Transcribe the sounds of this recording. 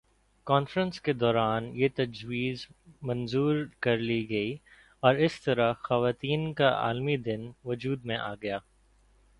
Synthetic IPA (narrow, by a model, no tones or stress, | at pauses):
kɔːnfɾə̃nsked̪ɔːɾaːnjet̪ɐd͡ʒwiːzmɐ̃nzuːɾkɐɾliɡɐi | ɔːɾɪst̪ɐɾaxɐʋaːt̪iːnkaa̰ːlmid̪ɪnʋʊd͡ʒuːd̪mẽʔa̰ːɡɐjaː